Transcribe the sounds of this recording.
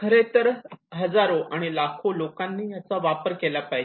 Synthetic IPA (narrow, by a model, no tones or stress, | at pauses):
kʰəɾet̪əɾɦəd͡zaɾoʔaɽ̃ilakʰolokanːiːjat͡saʋapəɾkelapaj